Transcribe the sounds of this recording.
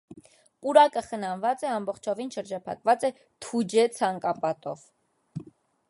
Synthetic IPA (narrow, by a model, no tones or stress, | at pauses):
puɾɑkəχənɑnvɑt͡sɛɑmbɔχt͡ʃʰɔvinʃəɾd͡ʒɑpʰɑ̰kvɑt͡sɛ | t̪ʰud͡ʒɛt͡sʰɑŋkɑpɑt̪ɔ̰v